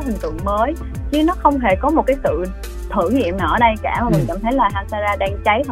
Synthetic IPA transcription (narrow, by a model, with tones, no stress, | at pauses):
hi˨˩ŋ̟t̪ɨ̰˧˨əŋməː˨˦j | t͡ɕi˨˦nɔ˨˦xə˧wŋ͡mɦe˧˩kɔ˨˦mo˨˩t̚kaː˨˦jsɨ̰˧˨ | t̪ʰɨ˧˩ŋḭ˧˨əmnaː˧˩ʔəː˧˩ɗə˧jkaː˧˩maː˨˩mi˨˩ŋka̰˧˩mt̪ʰə˨˦jlaː˨˩ɦaː˧saː˧zaː˧ɗaː˧ŋt͡ɕa˨˦jt̪ʰ